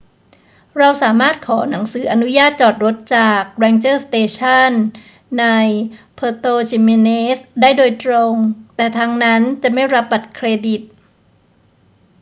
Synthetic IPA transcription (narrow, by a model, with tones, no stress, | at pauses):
ɾa˧wsaː˩˦maː˥˩t̪̚kʰɔː˩˦na˩˦ŋsɯː˩˦ʔa˧nu˦˥jaː˥˩t̪̚t͡ɕɔː˨˩t̪̚ɾo˦˥t̪̚t͡ɕaː˨˩k̚ɾɛː˧ŋt͡ɕɤː˥˩st̪eː˧t͡ɕʰa˥˩nː | a˧jpʰɤː˧t̪oː˧t͡ɕʰi˧me˧neː˦˥sdaː˥˩jdoː˧jt̪ɾo˧ŋt̪ɛː˨˩t̪ʰaː˧ŋna˦˥nt͡ɕa˨˩ma˥˩jɾa˦˥p̚ba˨˩t̪̚kʰɾeː˧di˨˩t̪̚